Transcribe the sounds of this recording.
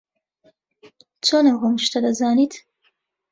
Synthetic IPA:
t͡sonaɦʊmʃt̪ad̪azɑnit̪

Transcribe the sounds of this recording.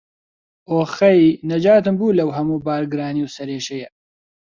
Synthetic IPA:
ʔoːxɐinɐd͡ʒaːt̪ɨmbuːlɐwɦɐmuːbaːɾɡɨɾaːniwsɐɾeːʃɐjɐ

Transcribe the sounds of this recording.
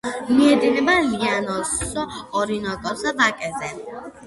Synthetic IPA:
miɛd̪ivɛbalianɔsɔːɾinɔɡɔsabakʼɛzɛ

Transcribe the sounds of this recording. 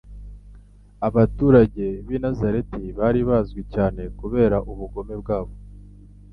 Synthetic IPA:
aβatuːɾaɟe̞βinazaɾe̞tiβaɾiβazɡwicaːne̞kuβe̞ːɾaʔuβuɡo̞me̞bɡaːβo̞

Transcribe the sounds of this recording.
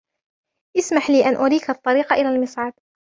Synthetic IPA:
ʔɪsmaħliːʔanʔʊɾiːkɑt̪ˤːɑɾiːqɑʔɪlaːlmɨsˤʕɑd̪̚

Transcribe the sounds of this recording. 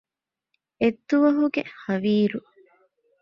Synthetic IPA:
et̪ːuʋɐɦuɡehɐʋiːɾu

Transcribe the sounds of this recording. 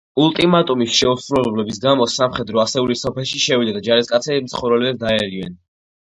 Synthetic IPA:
ulˠt̪ʼimat̪ʼumisʃɛusɾulɛlɛblɛbis̬ɡamɔsamχɛd̪ɾɔasɛulisɔpʰɛlˠʃiʃɛvid̪ad̪ad͡ʒaɾiskʼat̪sʰɛbimt̪sʰχɔɾɛliɛd̪aɛɾivɛ̰n

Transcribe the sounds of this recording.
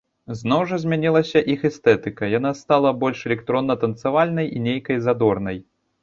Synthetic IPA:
znɔwʐɐzʲmʲanʲilˠɐsʲɐʔixɛst̪ɛt̪ɨkɐjan̪ast̪alˠɐbɔlʲʂɛlʲɛk̚t̪ɾɔnːɐt̪ɐnt̪sɨvalʲnɐjʔinʲejkɐjzad̪ɔrnɐj

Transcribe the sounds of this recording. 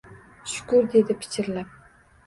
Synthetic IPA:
ʃʊ̥kʊɾd̪e̞d̪ɪpʰɪ̥t͡ʃʰɪɾlap̚

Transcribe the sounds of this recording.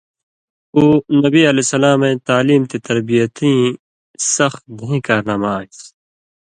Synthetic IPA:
uːnɐbiɐlesɐlaːmẽːt̪aːliːmt̪et̪ɐɾbijət̪ĩː | sɐx̚bʱũĩːkaːɾnaːmaːis

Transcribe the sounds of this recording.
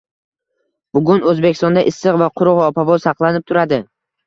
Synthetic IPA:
bʊɡʊnɵzbekʲɪ̥st̪ɒnd̪aʔɪsːɨqvaqʰʊɾʊqɒpavɒsɑqlˠanɪp̚t̪ʰʊɾad̪ɪ

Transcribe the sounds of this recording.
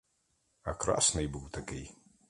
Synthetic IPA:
akra̰snɨjbɨwt̪ʰakʲɛj

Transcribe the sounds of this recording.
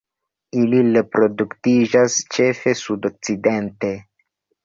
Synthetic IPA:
ilile̞pɾo̞duktid͡ʒast͡ʃe̞fe̞sudo̞k̚t͡side̞nte̞

